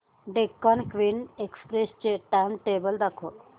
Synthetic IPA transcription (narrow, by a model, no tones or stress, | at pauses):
ɖekːɔnkʋinekspɾest͡ɕeʈamʈebəld̪akʰo